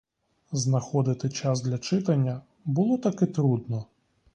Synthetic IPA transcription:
znɐxɔd̪ɪt̪ɪt͡ʃɑzd̪lʲɐt͡ʃɪt̪ɐnʲːɐ | bʊlˠɔt̪ɐkɛt̪ɾud̪nɔ

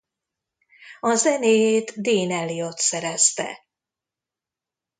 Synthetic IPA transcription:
ɒzɛneːjeːt̪d̪eːnɛlːiot̪sɛɾɛst̪ɛ̰

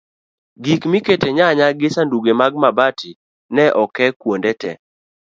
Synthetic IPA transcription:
ɡikmiketeɲaɲaɡɪsanduɡemaɡ̚mabati | nɛʔɔkɛkwondɛtɛ̰

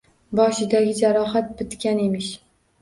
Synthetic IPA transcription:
bɒʃɪd̪aɡʲɪd͡ʒaɾɒɦat̪̚bɪt̪kʲane̞mɪʃ

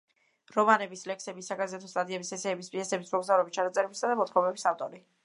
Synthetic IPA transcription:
ɾɔmanɛbislɛkʰsɛbisaɡazɛt̪ʰɔst̪ʼad̪iɛbisɛsɛːbispʼiɛsɛbismɔɡzavɾɛbist͡ʃʰanat̪sʼɛɾɛbisad̪amɔt̪ʰkʰɔmɛbisaft̪ʼɔɾi

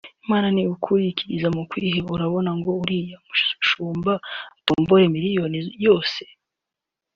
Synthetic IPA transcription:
imaːnaniukʰuɾiciɾizamukwiːheuɾaβo̞naŋɡo̞uɾijamuʃuʃuːmbatuːmboɾemiɾijo̞nijo̞ːse̥

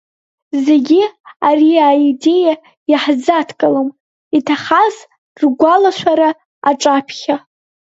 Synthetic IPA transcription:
ze̞ɡʲiariaide̞ja | jaħzatʰkʼalɨm | itʰaχaz | rɡʷalaʃʷʰaɾa | aʈ͡ʂʼapʰχʲa

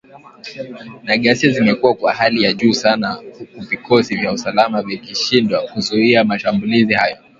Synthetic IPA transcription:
naɠasiazimɛkuwakwa̰halijaʄuːsanauvikʰɔsivjausalamavikiʃindwakuzuiamaʃambulizihajɔ

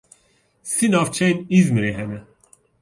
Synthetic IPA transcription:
sinɑːft͡ʃʰɛjnizmɨɾeːɦɛnɛ

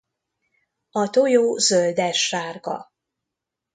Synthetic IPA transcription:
ɒt̪ojoːzøld̪ɛʃːaːrɡɒ̰

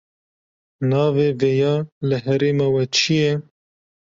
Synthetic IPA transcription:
nɑːveːveːjɑːlɨɦɛɾeːmɑːwɛt͡ʃʰijɛ

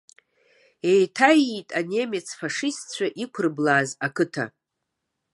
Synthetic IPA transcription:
e̞jtʰajitʼanemet͡sʰfaʂistt͡ɕʷʰaʔikʷʰʊrblaːzakʰɨtʰa̰

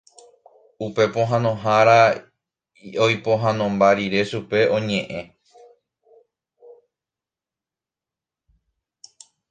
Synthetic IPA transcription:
upe̞põ̞ɦãnõ̞ɦaɾa | ojpo̞ɦãnõ̞mbaɾiɾe̞ʃupe̞õ̞ɲẽ̞ʔẽ̞

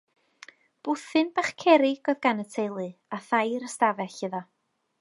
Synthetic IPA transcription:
b̥ʊθɨnb̥aχkʰɛɾɪɡ̥ɔðɡanətʰejlˠɨaθajɾəstavɛɬɨðɔ

